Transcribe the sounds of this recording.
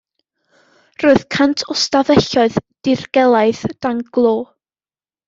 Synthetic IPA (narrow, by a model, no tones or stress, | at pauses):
roːɨð̥kʰantʰɔstavɛɬɔɨðd̥ɪrɡ̥ɛlˠaɨθd̥aŋɡ̥lˠoː